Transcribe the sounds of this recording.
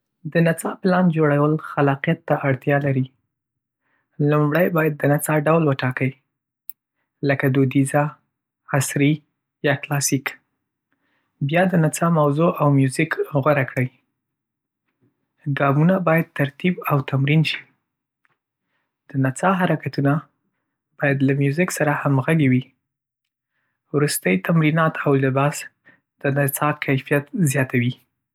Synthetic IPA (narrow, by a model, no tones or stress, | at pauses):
d̪ənat͡sɑplɑnd͡ʒoɽawəlxalɑqijat̪ːaʔaɽt̪jɑlaɾi | lumɽəjbɑjad̪ːənat͡sɑɖawlwəʈɑkəj | ləkad̪od̪iza | asɾi | jɑklɑsik | bjɑd̪ənat͡sɑmawzoʔawmjuzikɣwaɾakɽəwj | ɡɑmunabɑjad̪̚t̪aɾt̪ibawt̪amɾinʃi̥ | d̪̥ənat͡sɑɦaɾakat̪una | b̥ɑjad̪lamjuzɪksaɾahamɣaɡewi | wɾust̪əjt̪amɾinɑt̪ʰawlɪbɑs | d̪̥ənat͡sɑkʰajfijat̪zjɑt̪ʰawi